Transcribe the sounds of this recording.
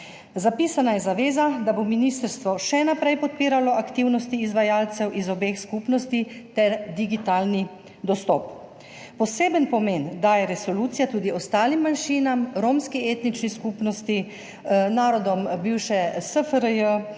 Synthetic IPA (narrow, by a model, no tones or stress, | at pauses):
zapiːsanajɛzaʋeːzad̪abominist̪əɾst̪ʋɔʃɛnapɾɛjpɔt̪̚piːɾalɔʔakt̪iwnɔst̪iːzʋajalt̪sɛwʔizɔbexskuːpnɔst̪it̪ɛɾd̪iɡit̪aːlni | d̪ɔst̪ɔp | pɔseːbənpɔmend̪ajɛɾɛsɔluːt̪sijat̪uːd̪iɔst̪aːlimːanʃiːnamɾomskiet̪nit͡ʃniskuːpnɔst̪i | naːɾɔd̪ɔmbiːwʃɛsəfəɾəjə